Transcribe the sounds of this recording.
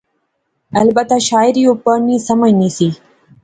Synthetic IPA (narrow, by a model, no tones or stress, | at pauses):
ɐlbət̪aʃaːjɾiupəɾnĩsɐmənisi